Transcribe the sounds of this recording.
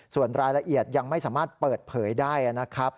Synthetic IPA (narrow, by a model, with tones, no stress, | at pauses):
su˨˩ənɾaː˧jla˧ʔi˨˩ət̪̚ja˧ŋma˥˩jsaː˩˦maː˥˩t̪̚pɤː˨˩t̪̚pʰɤː˩˦jdaː˥˩jʔa˨˩na˦˥kʰɾa˦˥p̚